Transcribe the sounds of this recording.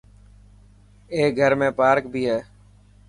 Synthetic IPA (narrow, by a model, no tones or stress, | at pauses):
eːɡʱəɾmẽːpaːɾk̚bʱiːɦɛː